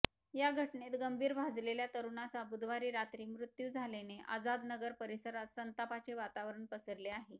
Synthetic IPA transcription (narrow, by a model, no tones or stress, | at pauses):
jaɡʱəʈɳet̪ɡəmbʱiːɾbʱad͡zleljat̪əɾuɳat͡sabud̪ʋaɾiːɾat̪ɾiːmɾut̪juːd͡zʱaleneʔa̰d͡zad̪nəɡəɾpəɾisəɾat̪sənt̪apat͡ɕeʋat̪aʋɾəɳpəsəɾleaɦe